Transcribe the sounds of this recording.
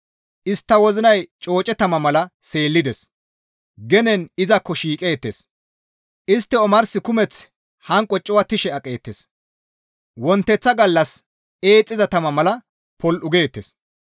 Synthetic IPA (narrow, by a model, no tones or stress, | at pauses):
ʔɪst̪ːɐwɔzɪnɐjt͡ʃʼo̞ːt͡ʃʼɛt̪ɐmɐmɐlɐse̞ːlːɪd̪ɛs | ɡɛnɛnɪzɐkːɔʃiːkʼe̞ːt̪ːes | ʔɪst̪ːɛɔmɐɾsɪkʊmɛt͡s | hɐŋkʼɔt͡ʃʼːʊwɐt̪ɪʃɛɐkʼe̞ːt̪ːes | wɔnt̪ːɛt͡sːɐɡɐlːɐs | eːt͡sʼːɪzɐt̪ɐmɐmɐlɐ | pɔlʔʊɡeːt̪ːes